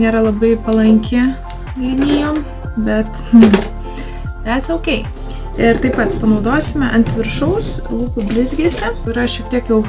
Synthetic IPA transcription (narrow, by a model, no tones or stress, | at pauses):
nʲeːɾɐlˠɐbɐɪpɐlˠɐŋʲkʲɪ | lʲɪnʲɪjoːm | bʲɛt̪̩ | ʋʲætsʲoʊkʲɛɪ | ɪɾt̪ɐɪpɐt̪pɐnɐʊd̪oːsʲɪmʲɛʔɐnʲt̪ʲʋʲɪɾʃɐʊslˠuːkʊbʲlʲɪzʲɡʲieːsʲɛkʊɾɪʃʲiɛk̚t̪ʲiɛkjɛʊ